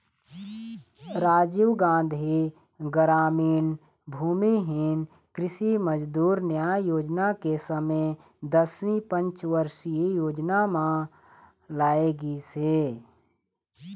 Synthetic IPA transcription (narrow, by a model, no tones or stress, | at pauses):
ɾaːd͡ʒiʋɡãːnd̪ʱi | ɡəɾaːmiːn | bʱuːmiɦin | kɾɪsiməd͡ʒd̪uːɾnjaːjoːd͡ʒnakesəmə | d̪əswĩpə̃nt͡ʃʋəɾʃijoːd͡ʒnamã | laːeɡise